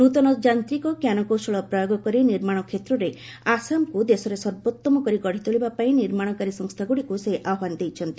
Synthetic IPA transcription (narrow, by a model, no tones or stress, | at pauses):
nut̪ɔnɔd͡ʒant̪ɾikɔkjanɔkosɔɭɔpɾɔjoɡɔkɔɾiniɾmaɽ̃ɔkʰet̪ɾɔɾe | asamkud̪esɔɾesɔɾbot̪ːɔmɔkɔɾiɡɔɽ̤it̪oɭibapaĩniɾmaɽ̃ɔkaɾisɔŋst̪ʰaɡuɽikuseʔawand̪ejt͡ʃʰɔnt̪i